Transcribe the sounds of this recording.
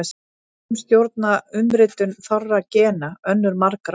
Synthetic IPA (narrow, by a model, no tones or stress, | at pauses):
s | mst̪jowɾt̪̚naʏmɾɪt̪ʏnθɔrːacɛːnaœnːʏɾmaɾkɾ